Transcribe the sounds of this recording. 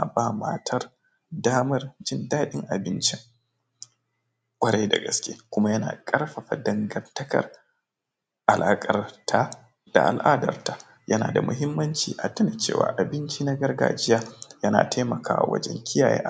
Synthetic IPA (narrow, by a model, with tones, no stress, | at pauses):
a˨baː˦˨maː˦tʰɐ˦r | daː˦mɐ˦rd͡ʒɪ˦ndaː˦ɗɪ˦ŋʔa˨bɪ˦nt͡ʃɪ˦ŋ | kʷʼɐ˦ɽa˦jda˨ɡɐ˨˦skʲeː˦kʷʊ˦ma˦jɐ˦na̰ː˨kʼɐ˦rɸɐ˨ɸa˨dɐ˨ŋɡɐ˨ntɐ˦kɐ̰˨r | ʔa˨lʔaː˦kʼɐ˨rtʰa˦ | d̥a̰˨ʔa˨lʔaː˦dɐ˨rta˦ | jɐ˦naː˨da˨mʊ˦ɦɪ˦mːɐ˦nt͡ʃiː˨ʔa˨tʊ˦na˨t͡ʃḛː˦˨wa̰ː˨ʔa˨bɪ˦nt͡ʃiː˦na˦ɡɐ˦rɡa̰ː˦d͡ʒɪ˦jaː˦jɐ˦na̰ː˨tʰa˦mɐ˨kaː˦wa̰˨wɐ̰˦d͡ʒɛ˦ŋkʲɪ˦jaː˨jḛː˦ʔa˨